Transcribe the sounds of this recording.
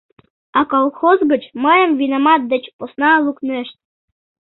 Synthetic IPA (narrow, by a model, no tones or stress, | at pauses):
ɑkolˠxozɡə̆t͡ɕməjə̆mvinomɑt̪̚d̪ɘ̆t͡ɕposnɑlˠuknɘ̆ʃt̪̚